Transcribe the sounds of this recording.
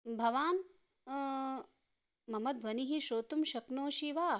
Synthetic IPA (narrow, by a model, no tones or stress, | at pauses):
bʱɐʋaːn | mɐmɐd̪ʋɐniɦiʃoːt̪umʃɐknoːʃiʋaː